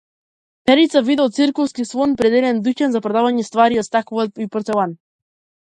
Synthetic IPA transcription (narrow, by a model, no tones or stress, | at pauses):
pɛɾit̪savid̪ɔlt̪siɾkɔfskisvˠɔnpɾɛd̪ɛd̪ɛnd̪ucɛnzapɾɔd̪avaɲɛst̪vaɾiast̪akuvat̪ipɔɾt̪ɛlˠan